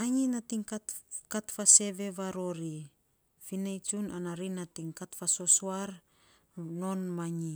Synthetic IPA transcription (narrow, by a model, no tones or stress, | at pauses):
aɲinatiŋkatfase̞βe̞βaɾo̞ɾi | finajt͡ʃunanaɾinatiŋkatfasosoaɾ | no̞nmaɲi